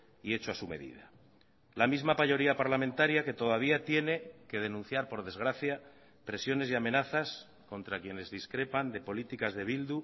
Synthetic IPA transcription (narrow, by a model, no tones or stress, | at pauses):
ie̞t͡ʃoasume̞̰ðḭða | lamizmapaʎo̞ɾiapaɾlamẽ̞nt̪aɾjake̞t̪o̞ðaβ̞iat̪je̞ne̞ke̞ð̞e̞nũn̟θjaɾpo̞ɾð̞e̞zɣ̞ɾaθja | pɾe̞sjo̞ne̞siamẽ̞naθas | ko̞nt̪ɾakje̞ne̞zðiskɾe̞pand̪e̞po̞lit̪ikazðe̞β̞ild̪u